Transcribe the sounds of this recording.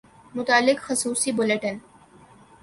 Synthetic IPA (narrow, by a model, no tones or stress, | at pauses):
mʊt̪aːlːɪkxɐsuːsibʊleʈən